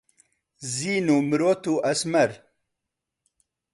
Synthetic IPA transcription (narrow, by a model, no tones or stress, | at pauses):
ziːnumɾoːt̪uʔɐsmɐɾ